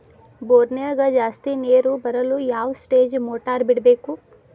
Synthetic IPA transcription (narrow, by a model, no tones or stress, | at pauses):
boːɾniɐɡad͡ʒaːst̪ineːɾubɐɾɐlujaːʋsʈeːd͡ʒmoːʈaːɾbiɽɐbeːku